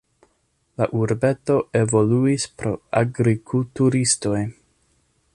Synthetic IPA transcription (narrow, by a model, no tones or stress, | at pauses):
laʔuɾbe̞to̞ʔe̞vo̞luispɾo̞̰aɡɾikʰultuɾisto̞j